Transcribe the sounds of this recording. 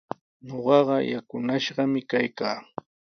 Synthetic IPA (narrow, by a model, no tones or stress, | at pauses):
ɲoɢɑɢɑjakʊnaʃɢɑmɪkajkaː